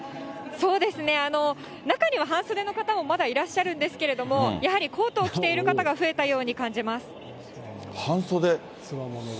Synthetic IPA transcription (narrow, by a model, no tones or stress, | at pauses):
so̞ːd̪e̞sɨne̞ano̞ | nakaɲ̟iβ̞aɦãɰ̃so̞d̪e̞no̞kat̪amo̞mad̪aiɾaɕːaɾɯ̟̃nd̪e̞sɨ̥ke̞ɾe̞d̪o̞mo̞jahaɾʲikʰo̞ːt̪o̞ːkʲi̥t̪e̞iɾɯ̟kat̪aɡaɸɯ̟e̞t̪ajo̞ːɲ̟ikãɲ̟d͡ʑimasɨ̥ | hãɰ̃sod̪e̞